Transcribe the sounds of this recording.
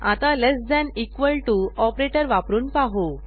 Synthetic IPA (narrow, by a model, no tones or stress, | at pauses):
at̪alesd̪ɛnikʋəlʈuɔpɾeʈəɾʋapɾuːnpaɦo